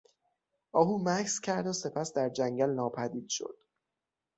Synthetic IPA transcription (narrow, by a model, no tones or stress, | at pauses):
ʔɒːɦuːmækʰscʰæɾd̪ose̞pʰæsd̪æɾd͡ʒæŋɟælnɒːpʰæd̪iːd̪̥ʃo̞̰d̪̥